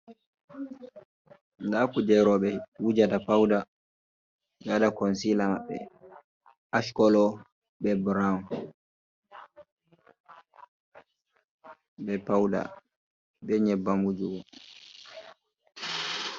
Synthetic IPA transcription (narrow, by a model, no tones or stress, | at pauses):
ndakud͡ʒɛɾɔɓɛwud͡ʒadapawda | d͡ʒadakɔnsilamaɓːɛ̰ | aʃkɔlɔ | bɛbɾan | bɛpawda̰ | bɛɲɛbːamud͡ʒuwɔ